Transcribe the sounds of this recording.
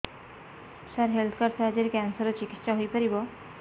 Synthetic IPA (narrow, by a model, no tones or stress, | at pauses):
saɾɦelt̪ʰkəɾsad͡ʑeɾikɛnsəɾɔt͡ɕikit̪ːɕaɦojpəɾibɔ